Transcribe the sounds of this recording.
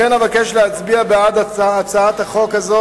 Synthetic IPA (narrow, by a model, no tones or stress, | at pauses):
enavakeʃleat͡sbiabead̪aːt͡saat̪haχo̞kazo